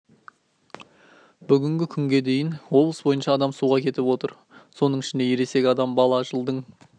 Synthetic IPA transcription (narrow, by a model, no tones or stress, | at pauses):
b̥ʏɡʲɪŋɡʲɪkʲʰʏŋɡʲe̞d̪e̞jɪnwo̞blˠəsbo̞jənʃɑːd̪ɑmsuʁɑkʲʰe̞t̪ɪpwo̞t̪əɾ | so̞nəɴɪʃɪnd̪e̞jeɾe̞se̞ɡʲɪɑd̪ɑmbɑlˠɑʒəlˠd̪əɴ